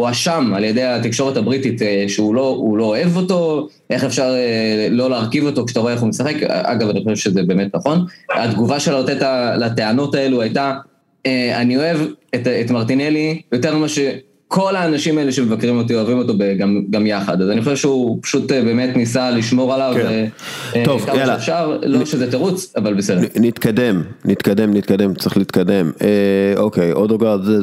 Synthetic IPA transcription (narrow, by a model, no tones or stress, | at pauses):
uaʃamaljede̞jatikʃoʁethabʁitit̪ʃeulo̞ulo̞ːe̞vo̞to̞ | ʔe̞χefʃaʁelo̞leːʁkivo̞tokʃt̪aʁoeeχumesaχe̞kʔa̰ɡavaniχoʃevʃezebe̞ːme̞tnaχo̞nadɡuvaʃelat̪etalateano̞tae̞luajta | eanio̞e̞vetetmaʁt̪inelijo̞teʁmaʃe | kʰo̞laːnaʃimae̞leʃe̞me̞vakʁimo̞t̬ioavimo̞to̞beɡamɡamjaχad̪azaniχo̞ʃevʃeupḁʃutbe̞ːmetnisaliʃmo̞ʁalave | tovkamaʃeeːfʃaʁloʃezetaʁut͡savalbesednit̪kad̪emnit̪kad̪emnit̪kad̪emt͡sʁiχliit̪kad̪e̞meokejod̪oɡadze